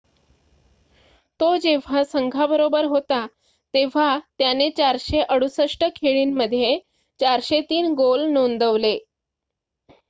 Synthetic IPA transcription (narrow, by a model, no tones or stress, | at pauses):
t̪od͡ʑeʋ̤asəŋɡʱabəɾobəɾɦot̪a | t̪eʋ̤at̪janet͡ɕaɾɕeʔəɽusəʂʈəkʰeɭiːnməd̪ʱje | t͡ɕaɾɕet̪iːnɡolnond̪əʋle